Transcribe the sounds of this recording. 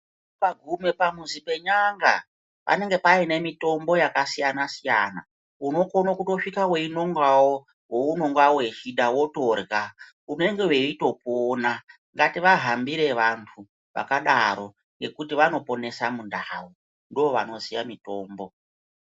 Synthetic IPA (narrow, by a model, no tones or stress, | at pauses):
paɡʱume̞pamuzipe̞ɲaŋɡa̰ | pa̰ne̞ŋɡe̞paine̞mito̞mbo̞jakasijanasijana̰ | uno̞ko̞nokuto̞ʂikaweino̞ŋɡawo | wouno̞ŋɡwawe̞t͡ʃiɗawo̞to̞rɡa | une̞ŋɡe̞weito̞poːna | ŋɡatiʋaɦambiɾe̞ʋantʰu | ʋa̰kaɗaɾo̞ | ŋɡe̞kutiʋano̞po̞ne̞samundawu | ndoːʋa̰no̞zijamito̞ːmbo̞